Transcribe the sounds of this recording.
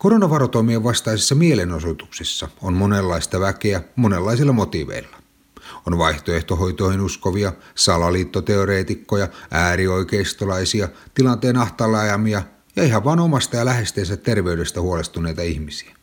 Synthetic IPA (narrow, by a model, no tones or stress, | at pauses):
koɾonɑʋɑɾot̪omieʋʋɑst̪ɑisesːɑmielenosot̪u̥ksisːɑonmonelːɑist̪ɑʋækeæmonelːɑisilːɑmot̪iːʋḛilːɑ | onʋɑiht̪oeht̪oɦo̞jt̪oihinuskoʋiɑsɑlɑliːt̪ːot̪eoɾeːt̪ikːojɑæːɾio̞ikeist̪olɑisiɑt̪ilɑnt̪eːnɑht̪ɑlːɑjɑmiɑ | jɑiɦɑʋʋɑːnomɑst̪ɑjɑlæɦe̞st̪eːsæt̪ːerʋe̞yde̞st̪æhuolest̪une̞jt̪ɑihmisi̥æ